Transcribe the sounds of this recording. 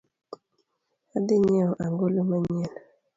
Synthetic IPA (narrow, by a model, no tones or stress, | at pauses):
ad̪ɪɲɛɔʔaŋɡolomaɲɛna